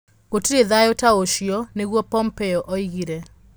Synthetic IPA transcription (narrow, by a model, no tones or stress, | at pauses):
ɣotuɾeðajotaoʃiɔneɣwɔpɔmpɛɔʔɔiɣiɾɛ